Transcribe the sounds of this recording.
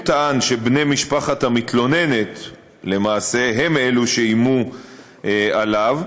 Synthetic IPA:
t̪aanʃe̞bnemiʃpaχatamit̪lo̞ne̞ne̞t̪ | le̞maːse̞ɦe̞meluʃeimu | ʔalav

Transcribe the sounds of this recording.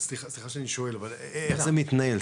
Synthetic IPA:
sliχaslixaʃeaniʃoelaval | eχzemit̪nae̞l

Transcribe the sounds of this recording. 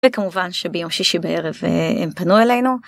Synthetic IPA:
ekamuvanʃebejo̞mʃiʃibee̞ʁevḛempanuele̞jnu

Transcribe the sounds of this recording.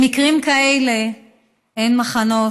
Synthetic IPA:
mikʁimkaele | ʔejnmaχano̞

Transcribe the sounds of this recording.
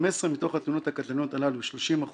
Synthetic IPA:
mesʁemit̪o̞χat̪nunot̪hakat̪lano̞t̪alaluʃloʃimaχ

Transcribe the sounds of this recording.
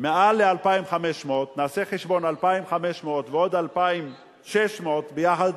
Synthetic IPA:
mealːealpaimχameʃmot̪naːseχeʃbo̞nalpaimχameʃmoot̪veo̞d̪alpaim | ʃeʃmot̪bejaχad̪

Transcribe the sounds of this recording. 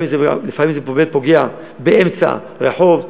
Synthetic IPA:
imzḛlifamimzepoɡelpoɡea | beʔemt͡sa̰ | ʁeħo̞v

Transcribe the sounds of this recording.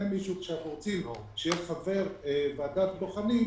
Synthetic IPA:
emiʃukʃeapoʁt͡silo | ʃejeʃχave̞ʁevead̪at̪boχani

